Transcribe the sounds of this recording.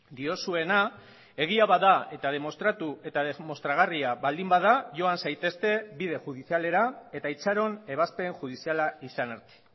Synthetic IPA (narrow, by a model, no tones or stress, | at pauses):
d̪io̞sue̞na | e̞ɣ̞iaβaðae̞t̪að̞e̞mo̞st̪ɾat̪ue̞t̪aðemost̪ɾaɣ̞ariaβald̪imbaðaʝo̞ansajt̪e̞st̪e̞βið̞e̞ʝuðisiale̞ɾae̞t̪ait͡saɾo̞ne̞β̞aspe̞ŋxuð̞isialaisaneɾt̪i̥